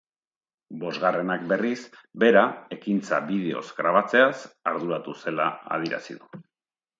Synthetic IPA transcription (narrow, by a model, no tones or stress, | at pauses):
bo̞zɣare̞nak̚be̞risbe̞ɾae̞kint͡saβið̞e̞o̞̰zɡɾaβ̞at͡se̞asaɾðuɾat̪use̞laa̰ð̞iɾa̰sḭðu